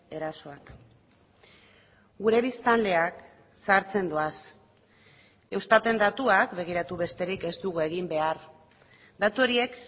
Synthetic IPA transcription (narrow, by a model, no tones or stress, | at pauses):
e̞ɾaso̞ak | ɡuɾe̞β̞ist̪ald̪e̞ak | saɾt͡se̞nd̪uas | e̞wst̪at̪e̞nd̪at̪uakbe̞ɣ̞iɾat̪uβe̞st̪e̞ɾike̞zt̪uɣue̞ɣimbe̞aɾ | d̪at̪uo̞ɾie̞k